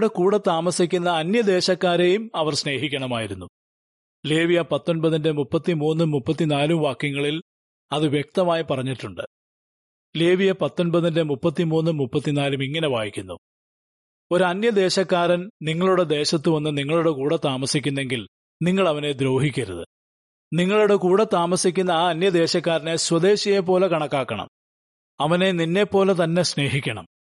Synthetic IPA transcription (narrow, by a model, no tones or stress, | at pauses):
ɽekuːɽɐt̪aːmɐsikʲːunːɐːnjɐd̪e̞ːɕɐkːaːɾe̞jumɐʋɐrsne̞ːɦikʲːɐɳɐmaːjiɾunːu | leːʋijɐpɐt̪ːo̞nbɐðinde̞mupːɐt̪ːimuːnːɨmupːɐt̪ːinaːlumʋaːkjɐŋːɐɭil | ɐðɨʋjek̚t̪ɐmaːjipɐrɐɲːiʈːuɳɖɨ | leːʋijɐpɐt̪ːo̞nbɐðinde̞mupːɐt̪ːimuːnːɨmupːɐt̪ːinaːlumiŋːɐne̞ʋaːjikʲːunːṵ | o̞ɾuɐnjɐd̪e̞ːɕɐkːaːɾɐnniŋːɐɭuɽe̞d̪e̞ːɕɐt̪ːɨʋɐnːɨniŋːɐɭuɽe̞kuːɽɐt̪aːmɐsikʲːunːe̞ŋɡil | niŋːɐɭɐʋɐne̞d̪ɾo̞ːɦikʲːɐɾṵðɨ̰ | niŋːɐɭuɽe̞kuːɽɐt̪aːmɐsikʲːunːɐaːɐnjɐd̪e̞ːɕɐkːaːɾɐneswɐd̪e̞ːɕɐjep̬ːo̞ːlekɐɳɐkːaːkːɐɳɐ̰m | ɐʋɐne̞ninːe̞pːo̞ːlet̪̬ɐnːe̞sne̞ːɦikʲːɐɳɐ̰m